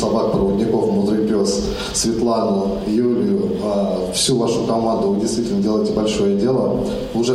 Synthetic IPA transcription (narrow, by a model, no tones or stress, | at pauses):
sɐbak̚pɾəvədʲnʲɪko̞fmʊd̪ɾɨpʲos | svʲɪt̪lˠanʊ | julʲɪjʊ | a | fsʲuvaʂʊkɐmand̪ʊvɨdʲɪjst̪vʲitʲɪlnədʲe̞lˠəjɪtʲɪbɐlʲʂo̞jədʲe̞lˠə | ʊʐɛ